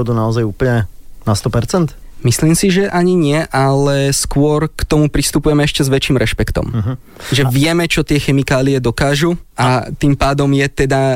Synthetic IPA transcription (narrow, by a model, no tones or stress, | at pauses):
ɔd̪unaɔzajuplɲɛnast̪ɔpɛɾt͡sɛnt̪ | misliːmsiʒɛʔaɲiɲɪɛʔalɛskʊɔɾkt̪ɔmupɾist̪upujɛmɛɛʃcɛzʋɛt͡ʃiːmɾʔɛʃpɛkt̪ɔ̰mɦ | ʒɛʋɪɛmɛt͡ʃɔt̪ɪɛxɛmikaːliɛd̪ɔkaːʒuʔat̪impaːd̪ɔmjɛt̪ɛd̪a